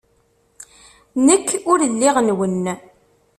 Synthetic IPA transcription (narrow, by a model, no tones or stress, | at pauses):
nəkːʊɾəlːɪʁənwənː